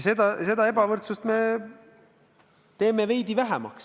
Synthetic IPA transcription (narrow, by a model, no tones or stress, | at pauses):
sed̪ɑse̞d̪ɑe̞bɑvɤrt̪sust̪me̞ | t̪e̞ːmeve̞jd̪ivæɦɛmɑ̰ks